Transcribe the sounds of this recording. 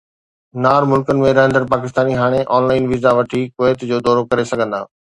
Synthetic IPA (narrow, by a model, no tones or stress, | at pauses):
naːɾmʊlkənɪ̆mẽɾɐɦə̃nd̪əɾpaːkɪst̪aːniɦaːɽ̃eʔɔːnlaːɪnʋiːzaʋɐʈʰikoeːt̪d͡ʑoːd̪ɔːɾokɐɾesɐɡʱə̃nd̪a̰ː